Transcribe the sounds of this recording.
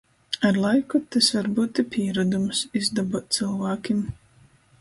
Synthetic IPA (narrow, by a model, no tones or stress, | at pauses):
aɾlˠajkut̪asvaɾbuːt̪ipʰʲiɛɾud̪umsizd̪abɔt̪sɨlˠvaːkʲim